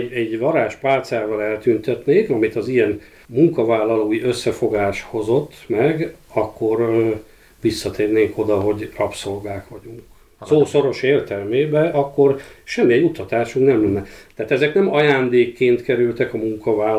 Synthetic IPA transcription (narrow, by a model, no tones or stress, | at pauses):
ɛɟvɒɾaːʃpaːlt̪saːvɒlɛlt̪ynt̪ɛt̪neːkɒmit̪ɒzijɛn | muŋkɒvaːlːɒloːjiʔøsːɛfo̞ɡaːʃho̞zo̞t̪ːmɛɡɒkːo̞r | ʋisːɒt̪ʰeːrneːŋkʰo̞d̪ɒɦo̞ɟrɒpso̞lɡaːkʋɒɟuŋk | soːso̞ɾo̞ʃeːrt̪ɛlmeːbɛɒkːo̞rʃɛmːiɛɟut̪ɒt̪aːʃuŋɡnɛmlɛnːɛt̪ɛaːt̪ɛzɛknɛmɒjaːnd̪eːkːeːnt̪kɛɾylt̪ɛkɒmuŋkɒvaːl